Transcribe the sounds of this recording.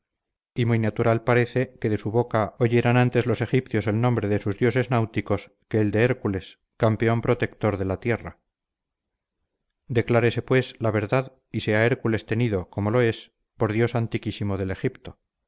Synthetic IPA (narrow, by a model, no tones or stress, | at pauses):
imujnat̪uɾalpaɾe̞θe̞ke̞ðe̞suβo̞kaoʝe̞ɾanant̪e̞zlo̞se̞xipθjo̞se̞lnõ̞mbɾe̞ðe̞suzðjo̞se̞znawt̪iko̞s | ke̞ːld̪e̞eɾkule̞s | kampe̞o̞mpɾo̞t̪e̞k̚t̪o̞ɾðe̞lat̪je̞ra̰ | d̪e̞klaɾe̞se̞pwe̞slaβ̞e̞ɾðað | iseae̞ɾkule̞st̪e̞niðo̞ko̞mo̞lo̞e̞s | po̞ɾðjo̞sant̪ikisimo̞ðe̞le̞xipt̪o̞